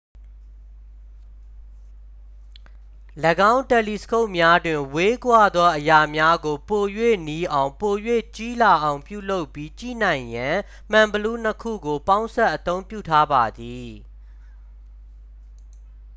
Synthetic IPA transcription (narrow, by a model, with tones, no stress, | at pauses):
lə˨ɡã˦ʊ̃ntɛ˨li˨sə̥kʰo˦ʊʔmja˦dwɪ̃˨we˦kwa˦˨d̪wa˦ʔəja˨mja˦ɡo˨po˨jwḛ˦˨ni˦ʔã˨ʊ̃po˨jwḛ˦˨t͡ɕi˦la˨ʔã˨ʊ̃mpjṵ˦˨lo˦ʊpːji˦t͡ɕḭ˦˨n̥ã˨ɪ̃jã˨ | m̥ã˨mbəlu˦n̥əkʰṵ˦˨ɡo˨pã˦ʊ̃nsɛ˦ʔət̪õ˦ʊ̃mpjṵ˦˨tʰa˦ba˨d̪i˨